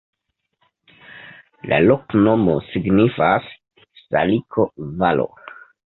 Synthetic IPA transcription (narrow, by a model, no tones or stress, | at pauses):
la̰lokno̞mosiɡnifasː | a̰likʰovalo̰